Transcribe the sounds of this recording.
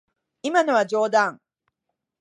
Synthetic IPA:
imanoad͡ʒoːd̪aŋ

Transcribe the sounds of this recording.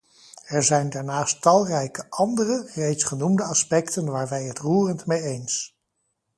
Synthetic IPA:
ɛɹzɛjndaːɹnaːstɑlˠrɛjkəʔɑndərərejtsχənumdəɑspɛktənʋaːɹʋɛjɦətruːrəntmejejns

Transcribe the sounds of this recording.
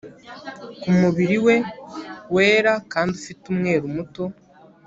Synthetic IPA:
kumuβiɾiwe̞we̞ːɾakaːndufitumŋe̞ːɾumuto̞

